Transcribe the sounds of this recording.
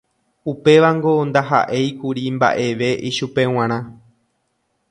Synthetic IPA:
upe̞ʋaŋɡo̞nd̪aɦa̰ʔe̞jkuɾimba̰ʔe̞ʋe̞ʔiʃupe̞w̃ãɾ̃ã

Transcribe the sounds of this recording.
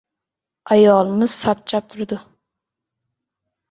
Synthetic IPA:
ɑjɒlˠɨmɨz̥sap̚t͡ʃʰap̚t̪ʰʊɾd̪ʊ

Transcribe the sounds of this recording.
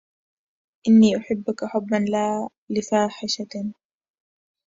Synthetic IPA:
ʔɪnːiːʔʊħɪbːʊkaħʊbːanlaː | lɪfaːħɪʃa

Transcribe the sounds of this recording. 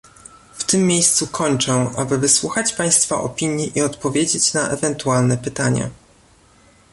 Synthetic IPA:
ft̪ɘmːjejst̪sukʰɔɲt͡ʂɛ̃ʔa̰bɘvɘswuxat͡ɕpaj̃st̪fa̰ʔɔ̰pʲiɲjiʔiɔt̪pɔvʲjed͡ʑet͡ɕnaʔɛvɛnt̪ualnɛpɘt̪aɲa̰

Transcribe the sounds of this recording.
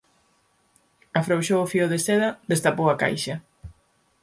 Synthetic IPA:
afɾowʃowofioðesɛðɐðest̪apowaka̰jʃɐ

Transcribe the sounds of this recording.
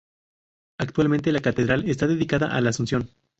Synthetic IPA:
akt̪walmẽnt̪̬e̞lakat̪e̞ðɾale̞st̪aðe̞ðikaða̰ʔalaːsunsjo̞n

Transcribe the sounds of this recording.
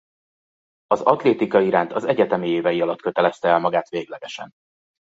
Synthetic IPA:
ɒzɒt̪leːt̪ikɒiɾaːnt̪ʰɒzɛɟɛt̪ɛmieːvɛjiɒlɒt̪køt̪ɛlɛst̪ɛɛlmɒɡaːt̪ʋeːɡlɛɡɛʃɛ̰n

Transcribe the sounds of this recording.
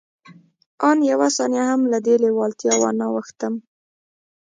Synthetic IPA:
ɑnjawasɑnjahamlad̪elewɑlt̪jɑwa̰nawəxt̪əm

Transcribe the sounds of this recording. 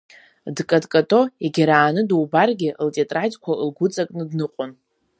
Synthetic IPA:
dkʼadkʼatʼo̞iɡʲaɾaːnɨduwbarɡʲɪʔltʼetʼratʲʼkʷʰaɨlɡʷʊt͡sʼakʼnɨdnɨqʷʼʊn

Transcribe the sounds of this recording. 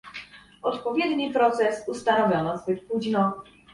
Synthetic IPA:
ɔt̪pɔvʲjɛd̪ɲipɾɔt̪sɛsust̪anɔvʲjɔnɔzbɘt̪̚puʑnɔ

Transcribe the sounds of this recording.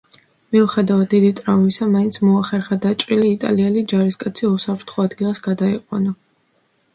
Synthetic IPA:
miuχɛd̪avat̪̚d̪id̪it̪ʼɾaumisamaint̪sʰmɔaχɛɾχad̪at͡ʃʼɾiliːt̪ʼa̰liɛlid͡ʒaɾiskʼat̪sʰiusapʰɾt̪ʰχɔad̪ɡilˠasɡad̪aiqʼwa̰na

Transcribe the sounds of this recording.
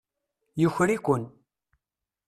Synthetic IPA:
jʊçɾikʷʊn

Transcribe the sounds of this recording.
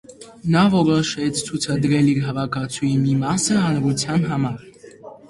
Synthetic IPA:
nɑvɔɾɔʃɛt͡sʰt͡sʰut͡sʰɑd̪ɾɛliɾɦɑvɑkʰɑt͡sʰujimimɑsəɑnɾut͡sʰjɑnɦɑmɑɾ

